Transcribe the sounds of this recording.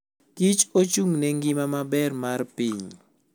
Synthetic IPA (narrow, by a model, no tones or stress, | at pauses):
kit͡ʃot͡ʃuŋnɛŋɡɪmamabɛrmarpiɲ